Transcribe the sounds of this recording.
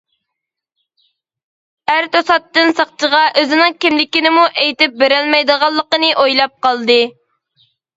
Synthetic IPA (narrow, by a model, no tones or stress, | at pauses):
æɾt̪osɑt̪ːɨnsɑχt͡ʃʰəʁɑʔøzɪnɪŋkʲimlɪkʲinɪmuʔejt̪ɪp̚beɾɛlmɛjd̪əʁɑlˠːəqənɨʔojlˠɑp̚qɑlˠd̪ɨ